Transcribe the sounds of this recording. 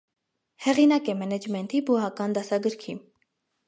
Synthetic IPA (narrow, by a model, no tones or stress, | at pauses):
hɛʁinɑkɛmɛnɛd͡ʒmɛnt̪ʰibuɦɑkɑnd̪ɑsɑɡəɾkʰim